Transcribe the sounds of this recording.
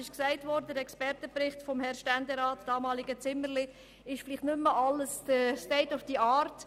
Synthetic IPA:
ɪʃksæɪtvɔɾdəəɾɛkspɛɾtəpɾɪχtfɔmhɛɾʃtændɛɾɑːtd̥ɑːmɑːlɪɡ̥ət͡sɪmːəɾlɪ | ɪʃfliχtnʉmːəʔɑlːəsd̥əstɛɪtufd̥iːɑːɾt

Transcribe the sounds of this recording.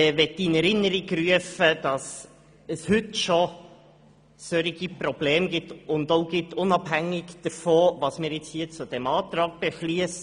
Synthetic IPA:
vɛtːinɛɾɪnːəɾiɡryəfəd̥ɑs | əshʏtʃo | sœɾiɡipɾɔb̥leːmɡɪtʊndoʊɡɪtʊnɑbɦæŋːɪɡd̥əɾfoːvɑsmɪːɾjɪt͡shiːət͡sʊd̥ɛmɑːt̪ɾɑːk̚b̥efliəs

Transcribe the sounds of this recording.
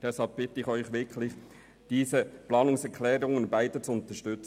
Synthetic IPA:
d̥ɛshɑlp̚b̥ɪtəɪxœʏxʋɪkʰlɪχ | d̥iːsəplɑːnʊŋsɛkʰlɛːɾʊŋənbaɪdət͡suʊnt̪əʃtʏt͡s

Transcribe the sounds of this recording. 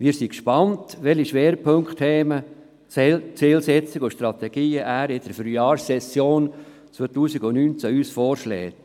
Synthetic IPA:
ʋiːɾsikʃpɑntʋɛliʃʋɛːɾəpʰɵŋkχt̪hɛːmə | t͡sɪːlsɛt͡sɪɡʊʃt̪ɾɑt̪ɛɡ̥iːəʔæːɾɪd̥əɾfɾyɑːɾsɛsjoːn | t͡sʋotuːsiɡʊnyːnt͡sæyːsfɔːɾʃlɛ̰ːt

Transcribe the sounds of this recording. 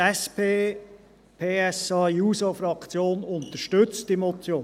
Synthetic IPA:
ɛspʰeː | pʰeːɛsɑjuːsofɾɑkt͡sjoːnʊnt̪əʃtʏt͡sd̥imot͡sjoː

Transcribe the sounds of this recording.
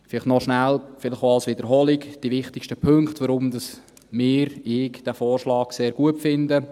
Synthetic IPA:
fɪlɪχtnɔʃnælfɪlɪχoɑlsʋɪdəɾɦɔːlikd̥ivɪχt̪ɪkʃtəpʰɵŋktʋəɾʊmd̥̪ɑs | mɪːɾɪːkd̥æːfɔːɾʃlɑːkseːɾɡ̥uətfɪndə

